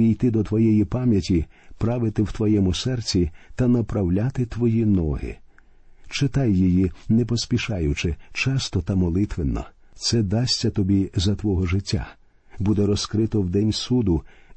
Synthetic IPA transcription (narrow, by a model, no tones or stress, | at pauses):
ijt̪ɪd̪ɔt̪ʋɔjɛjipɑmʲjɐtʲipɾɑʋɪt̪ɪwt̪ʋɔjɛmʊsɛrt͡sʲit̪ɐnɐpɾɐwlʲat̪ɪt̪ʋɔjinɔɦɪ̰ | t͡ʃɪt̪ɑjːɔjinɛpɔsʲpʲiʃɑjʊt͡ʃɪt͡ʃɑst̪ɔt̪ɐmɔlˠɪt̪ʋɪnːɔ̰ | t̪sɛd̪ɑsʲtʲːɐt̪ɔbʲizɐt̪ʋɔɦɔʒɪtʲːa̰ | bud̪ɛɾɔskɾɪt̪ɔwd̪ɛnʲsud̪ʊ